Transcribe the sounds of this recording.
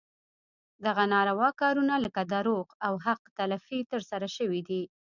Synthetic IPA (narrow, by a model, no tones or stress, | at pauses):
d̪aɣanɑɾawɑkɑɾunaləkad̪aɾoqawɦaqt̪alafit̪əɾsaɾaʃəwid̪i